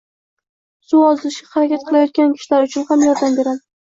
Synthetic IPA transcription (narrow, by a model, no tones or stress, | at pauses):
sʊɒzɪlɪʃʲahaɾakʲat̪̚qʰɨlˠajɒt̪̚kʲankʲʰɪ̥ʃlaɾʊt͡ʃʰʊnhamjɒɾd̪ambe̞ɾad̪ɪ